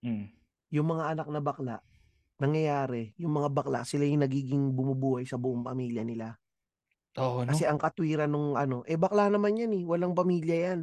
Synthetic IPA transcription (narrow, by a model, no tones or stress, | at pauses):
jʊŋmɐŋaʔɐnak̚nɐbɐkla̰ʔ | nɐŋjɐjaːɾɛjʊŋmɐŋabɐkla̰ʔsɪlajʊŋnɐɡiːɡɪŋbʊmʊbuːhɐjsɐbʊʔoŋpɐmiːljɐnɪla | oʔkɐsɛʔɐŋkɐt̪wiːɾɐnoŋʔɐno̞ʔɛbɐklanɐmanjanɛwɐlaŋpɐmiːljɐjan